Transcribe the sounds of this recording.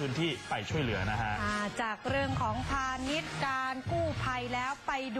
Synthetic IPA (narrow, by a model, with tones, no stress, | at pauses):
ɯː˦˥nt̪ʰiː˥˩pa˧jt͡ɕʰu˥˩əjlɯ˩˦ɐna˦˥kʰa˦˥ʔʔaː˧˩t͡ɕaː˨˩k̚ɾɯ˥˩əŋkʰɔː˩˦ŋpʰaː˧ni˦˥t̪̚kaː˧nkuː˥˩pʰa˧jlɛː˦˥wpa˧jd